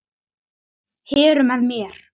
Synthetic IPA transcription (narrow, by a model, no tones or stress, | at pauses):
hɛːɾʏmɛðmjɛɾ̥